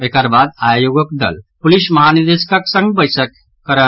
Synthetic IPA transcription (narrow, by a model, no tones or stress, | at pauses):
ekɐɾbaːd̪ajoɡəkd̪ɐ̰lpulismɐɦanid̪eskɐksə̃ŋɡbəjsək | kːəɾə